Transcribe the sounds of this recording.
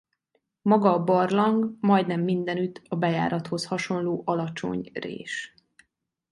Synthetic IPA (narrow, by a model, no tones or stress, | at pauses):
mɒɡɒːbɒrlɒŋɡmɒjd̪nɛmːind̪ɛnyt̪ʰɒbɛja̰ːɾɒt̪ho̞shɒʃo̞nloːʔɒlɒt͡ʃo̞̰ɲrḛːʃ